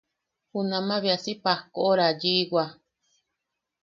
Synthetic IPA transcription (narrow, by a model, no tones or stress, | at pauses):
hunãmãβiasipahkoʔoɾad͡ʒiɡa